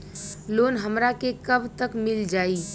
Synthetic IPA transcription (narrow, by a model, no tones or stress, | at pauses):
loːnɦəmɾakekəbʱt̪əkmɪld͡ʒaːi